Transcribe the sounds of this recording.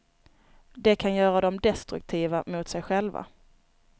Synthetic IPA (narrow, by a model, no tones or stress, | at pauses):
d̪ɛkʰanjœːɾad̪ɔmd̪ɛst̪ɾɵ̰k̚t̪ʰiːvamʊt̪sɛjɧɛlva̰